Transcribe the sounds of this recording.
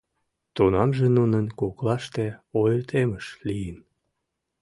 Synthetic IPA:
t̪unɑmʒenunənkoklɑʃt̪eojrt̪ʰeməʃlijən

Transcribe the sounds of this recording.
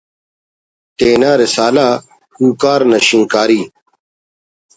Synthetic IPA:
t̪eːnaːɾɪsaːlaː | huːkaːɾnɐɕĩŋkaːɾiː

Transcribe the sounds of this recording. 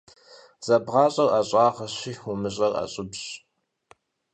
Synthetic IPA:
z̥ɐbʁɑːɕʼɐraɕʼɑːʁɐɕiːʊmɨɕʼɐra̰ɕʼɪbɕ

